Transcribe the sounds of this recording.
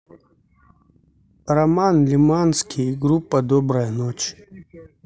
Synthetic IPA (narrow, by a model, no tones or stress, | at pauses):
rɐmanlʲimanskʲʰijɡɾupːɐd̪ɔbɾɐjənot͡ʃ